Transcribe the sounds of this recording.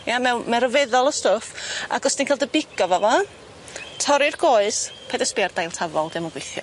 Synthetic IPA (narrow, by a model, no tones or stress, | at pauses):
jamɛwmɛɾəvɛðɔlˠəstɔfa̰ɡɔsd̥inkɛːlˠdəbɪɡ̥ɔvɔvɔ | tʰɔɾɪrɡoːɨspʰɛdɛspɪard̥ajlˠtʰavɔlˠd̥ɪmɔɡwejθjɔ̰